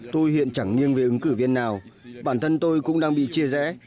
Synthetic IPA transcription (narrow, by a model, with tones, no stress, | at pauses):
t̪o˧jhḭ˧˨ənt͡ɕa˧˩ŋŋi˧əŋve˨˩ʔɨ˨˦ŋkɨ˧˩vi˧ənːaː˨˩w | ɓaː˧˩nt̪ʰə˧nt̪o˧jkʊ̰˧˥ŋ͡mɗaː˧ŋɓḭ˧˨t͡ɕi˧əzɛ̰˧˥